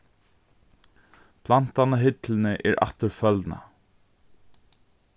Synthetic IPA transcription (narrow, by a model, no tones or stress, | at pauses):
pʰlan̥t̪anaɦɪt̪lɪnɪʔɛɾʔa̰ht̪ɪɾfœlt̪na̰